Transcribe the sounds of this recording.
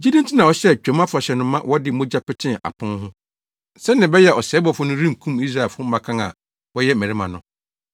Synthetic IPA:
d͡ʑi˦dĩ˦n˦tʰɪ˦nã˨ɔ˦ɕɛ˦t͡ɕᶣɛ̃˨mã˦fʊ˨ɾa˨ɕɛ˨nʊ̃˨mã˦wʔɔ˦dɪ˦mõ˦d͡ʑa˦pɪ˦tʰɪ̃˦˨a̰˨pʰʊ̃˦nɦʊ̃˦ | sɛ˦nɪ̃˨bɛ˦jɛ˦ʔɔ˨sɛː˨˦bɔ˨fʊ˦nʊ̃˦ɾĩ˦m˨kʰũ˦mi˦sɾa˦˨fʊ˦m̩˦mã˨kʰã˦ŋa̰˨ | wɔ˦jɛ˦mæ̃˨ɾi˦mã˨nʊ̃˨

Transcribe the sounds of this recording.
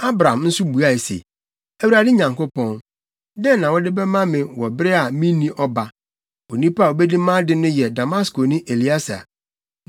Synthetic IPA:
a˦bɾã˨m˦n̩˦sʊ˦bu˨a˦˨e˨sḛ˨ | æ˦wu˦ɾa˨dɪ˦ɲã˨ŋko˦pɔ̃˦n | dɛ̃˦nã˨wɔ˦dɪ˦bɛ˦mã˦mɪ̃˨wɔ˨bɾɪ˦a˨mĩ˦nĩ˦ʔɔ˦ba˨ | wo˨nĩ˦pa˦a˨o˨bɛ˦di˦mã˦dɪ˦nʊ̃˦jɛ˨da˨ma˦sko˨nɪ̃˦ʔe˨li˦a˦sa̰˨

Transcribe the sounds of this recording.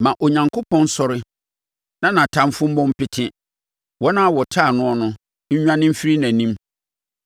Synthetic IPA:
mã˨ʔo˨ɲã˨ŋkʰo˦pʰɔ̃˦n̩˦sɔ˦ɾɪ˦ | nã˦nã˨tʰã˦m˦fʊ̃˦m̩˦mɔ̃˦m̩˦pɪ˦tʰɪ̃˦ | wɔ˦nã˦a˦wɔ˨tʰa˦˨nʊ̃˦ɔ˦nʊ̃˦ | ɲ̩˦ɲᶣ˦ã˦nɪ̃˦m̩˦fi˦ɾi˦næ̃˨nĩ˦m

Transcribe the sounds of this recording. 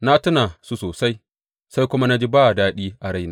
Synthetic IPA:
na˦tʊ˦naː˨su˦soː˨sa˦j | sa˦jkʷʊ˦ma˦na˦d͡ʒi˦baː˦˨daː˦ɗiː˦ʔa˨ɽa˦jnaː˨˦

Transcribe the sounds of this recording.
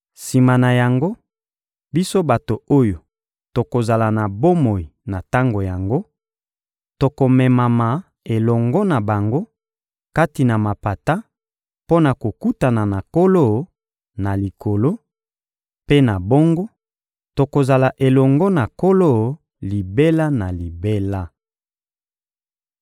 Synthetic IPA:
si˨ma˨na˨ja˨ŋɡo˦ | bi˦so˦ba˨to˨o˦jo˨ | to˨ko˨za˨la˨na˨bo˦mo˨i˨na˨ta˦ŋɡo˨ja˨ŋɡo˦ | to˨ko˨mɛ˨ma˨ma˨ | e˨lɔ˨ŋɡɔ˦na˨ba˨ŋɡo˦ | ka˦ti˨na˨ma˨pa˨ta˦ | po˦na˨ko˨ku˦ta˨na˨na˨ko˦lo˦˨ | na˨li˨kʰo˨lo˦ | pe˦na˨bo˦ŋɡo˦ | to˨ko˨za˨la˨ʔe˨lɔ˨ŋɡɔ˦na˨ko˦lo˦ | li˨be˦la˦na˨li˨be˦la˦

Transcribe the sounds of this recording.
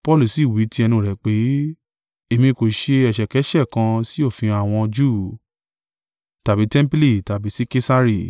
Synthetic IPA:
pɔ˦lu˨si˨wi˨˦ti˦ɛ˧nũ˧˨ɾɛ˨˦k͡pe˨˦ | e˨mĩ˧˨ko˨ʃe˧ɛ˨ʃɛ˨kɛ˨˦ʃɛ˦˨kã˧si˦o˦˨fĩ˧a˨w̃ɔ̃˧d͡ʒuː˦˨ | ta˨bi˨˦tɛ̃˦m˦pi˦li˦˨ta˨bi˨˦si˦ke˦sa˦ɾi˦˨

